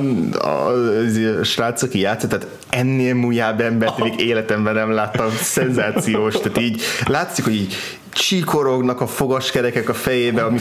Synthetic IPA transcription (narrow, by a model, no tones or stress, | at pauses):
ɛzeʃraːt̪sɒkijaːt̪sot̪ːaːt̪ | ɛnːeːlmuːjaːbɛmbɛrt̪miɡeːlɛt̪ɛmbɛnɛmlaːt̪ːɒmsɛnzaːt̪sijoːʃt̪aːt̪iːɟlaːt̪sikho̞ɟiːɟ | t͡ʃikʰo̞ɾo̞ɡnɒkɒfo̞ɡɒʃkɛɾɛkɛkɒfɛjeːbɛɒmi